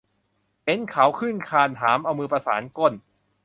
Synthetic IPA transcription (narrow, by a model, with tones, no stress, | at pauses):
he˨˦˥nkʰa˩˦wkʰɯ˥˩nkʰaː˧nɦaː˩˦mʔa˧wmɯː˧pɾa˧saː˩˦nko˧˥˩n